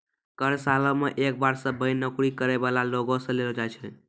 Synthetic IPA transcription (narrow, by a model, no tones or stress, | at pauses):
kəɾsalɔmeʔek̚baɾsə̃bəɪnəkɽikəɾeβalaloɡõsə̃lelɔd͡ʒajt͡ʃʰɛ